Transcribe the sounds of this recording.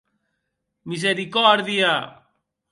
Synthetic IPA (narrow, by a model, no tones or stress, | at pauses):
mis̬eɾikoaɾðia